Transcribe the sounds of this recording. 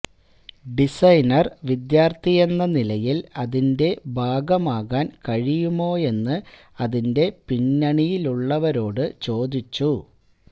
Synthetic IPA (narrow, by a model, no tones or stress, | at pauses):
ɖisɐjnɐrʋid̪jaːrt̪ʰije̞nːɐnilɐjilɐðinde̞bʱaːɡɐmaːɣaːnkɐɻijumo̞ːe̞nːɨ | ɐðinde̞piɲːɐɳijiluɭːɐʋɐɾo̞ːɽɨt͡ɕo̞ːd̪it͡ɕːu